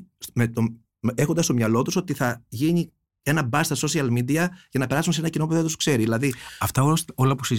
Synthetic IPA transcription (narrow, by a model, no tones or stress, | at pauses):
smet̪o | e̞xond̪ɐst̪o̞mɲɐlo̞t̪uso̞t̪iθɐʝiɲi | e̞nɐbɐst̪ɐso̞siɐlmid̪iɐʝɐnɐpe̞ɾɐsuns̬e̞nɐcino̞puðend̪uskse̞ɾiðilɐðiɐft̪ɐoolɐpusi